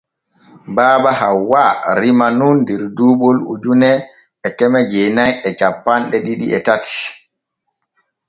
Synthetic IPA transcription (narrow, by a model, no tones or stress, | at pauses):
baːɓahawaɾimanundɛɾduːɓɔlṵd͡ʒunɛ | ɛkɛmɛd͡ʒenajɛt͡ʃapːanɗɛɗiɗḭʔɛtati̥